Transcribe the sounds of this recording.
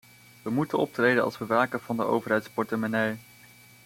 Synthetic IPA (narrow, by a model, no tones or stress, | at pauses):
ʋəmutənɔp̚trejdənɑ̰lˠsʋəʋaːkəv̥ɑndəʔo̰wvəɹɦɛjtspɔɹtəmanɛj